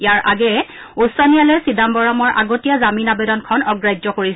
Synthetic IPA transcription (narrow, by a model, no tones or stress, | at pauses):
jaɹʔaɡɛ | usɔnijalɔjsidambɔɹamɔɹʔa̰ɡotijazaminabedɔnkʰɔnɔɡɹajd͡ʒzɔkoɹis